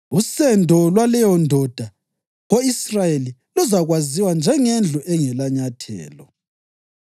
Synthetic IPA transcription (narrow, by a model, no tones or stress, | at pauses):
usɛndʱɔlwalɛjɔndʱɔd̥ʱa | ɣoisrajelilɔzaɣwaziwand͡ʒʱɛŋend͡ɮʱuʔɛŋɛlaɲatʰɛ̰ːlɔ